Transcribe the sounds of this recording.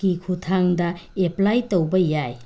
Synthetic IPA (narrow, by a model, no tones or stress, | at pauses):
kikʰutʰaŋdɐeplajtowbɐjaj